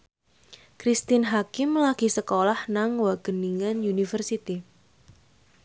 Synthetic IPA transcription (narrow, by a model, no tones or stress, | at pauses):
kɾist̪ɪnɦakɪmlaɡ̥isəkolahnaŋwaɡ̥əniŋanjunifərsit̪i